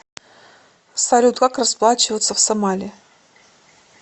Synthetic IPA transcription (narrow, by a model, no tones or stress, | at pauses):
salʲut̪ɡakrɐsplˠat͡ɕɪvət̪səfsɐmalʲɪ